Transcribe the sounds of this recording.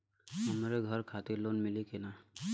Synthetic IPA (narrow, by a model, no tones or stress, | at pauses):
ɦəmɾeɡʱəɾkʰaːt̪ɪɾloːnmɪlikenaː